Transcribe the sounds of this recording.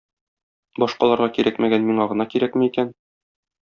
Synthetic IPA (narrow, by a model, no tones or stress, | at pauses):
bɒʃqɑlˠɑɾʁɑkiɾʔækmæɡænmiŋɑʁɤ̆nɑkiɾækmɘikæn